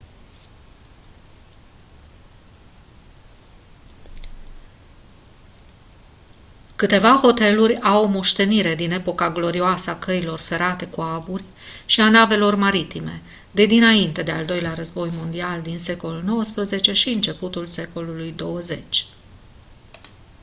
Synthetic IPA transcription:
kɨt̪e̞vaho̞t̪e̞lurʲawomo̞ʃt̪e̞niɾe̞d̪ine̞po̞kaɡlo̞ɾioasəakəilo̞rfe̞ɾat̪e̞kuaburʲ | ʃianave̞lo̞rmaɾit̪ime̞̰ | d̪e̞d̪inaint̪e̞d̪eald̪o̞jleaɾəzbo̞jmo̞nd̪iald̪inse̞ko̞lulno̞wəspɾəze̞t͡ʃe̞ʃiɨnt͡ʃe̞put̪ulse̞ko̞lulujd̪o̞wəze̞t͡ʃʲ

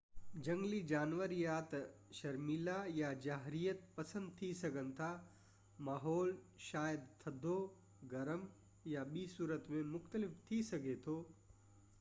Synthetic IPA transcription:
d͡ʒɐ̃ŋɡlid͡ʒaːnʋəɾjat̪ʃɐɾmilajad͡ʒaːɦɾijət̪̚pɐsə̃nd̪̚t̪ʰisɐɡənt̪ʰa | maːɦɔːl | ʃaːjəd̪t̪ʰɐd̪ʱo | ɡɐɾəm | jaɓiːsuːɾət̪mẽmʊxt̪əlɪft̪ʰisɐɡʱet̪ʰoː

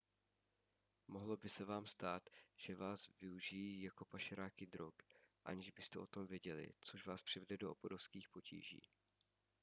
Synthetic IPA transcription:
mo̞ɦlo̞bɪsɛvaːmst̪aːt̪ʒ̥ɛvaːsvɪuʒijiːjako̞paʃɛɾaːkɪd̪ɾo̞kʔa̰ɲɛʒbɪst̪ɛʔo̞t̪o̞mvjɛɟɛlɪ̰t͡soʃvaːspr̥ɪvɛdɛdo̞ʔoboɾofskiːxpo̞cʰḭːʒḭː

